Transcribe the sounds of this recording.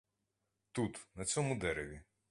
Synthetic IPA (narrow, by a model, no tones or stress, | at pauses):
t̪ut̪nɐt͡sʲɔmʊd̪ɛɾeʋʲi